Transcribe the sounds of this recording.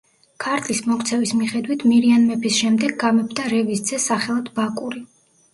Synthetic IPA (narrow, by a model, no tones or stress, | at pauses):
kʰaɾt̪ʰʼlismɔkt̪sʰɛvismiχɛd̪wit̪ʰmiɾianmɛpʰisʃɛmd̪ɛɡːamɛbd̪aɾɛvisd̪z̥ɛsaχɛlˠad̪ʰbakʼuɾi